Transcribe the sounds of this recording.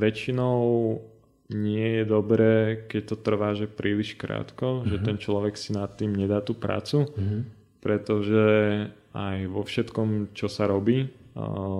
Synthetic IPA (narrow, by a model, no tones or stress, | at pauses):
ʋɛt͡ʃinɔʊ | ɲɪɛjɛd̪ɔbɾɛːkɛc̚t̪ɔt̪r̩ʋaːʒɛpɾʔiːliʃkɾa̰ːt̪kɔʒɛt̪ɛnt͡ʃlɔʋɛksinat̪ːiːmɲɛd̪aːt̪uːpɾa̰ːt͡su | pɾɛt̪ɔʒɛ | ajʋɔfʃɛt̪kɔmt͡ʃɔsaɾɔbiː